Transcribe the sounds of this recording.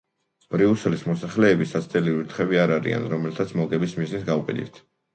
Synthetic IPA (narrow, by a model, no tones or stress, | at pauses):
b̥ɾiuslismɔsaχlɛːbisat̪sʰt̪ʼɛliɾiɾt̪ʰχɛbiaɾaɾḭa̰nɾɔmɛlt̪ʰat̪sʰmɔkʼɛbismiznit̪ɡauqʼid̪ḭt̪ʰ